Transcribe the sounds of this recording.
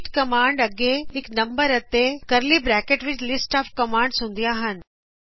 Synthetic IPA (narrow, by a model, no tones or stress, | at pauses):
ʈkɐmãːɳɖɐɡeɦɪknɐ̃mbəɾɐt̪ekɐɾlibɾɛːkeʈʋɪt͡ʃlɪsʈaːfkɐmãːɳɖsũːnd̪ijaːɦən̆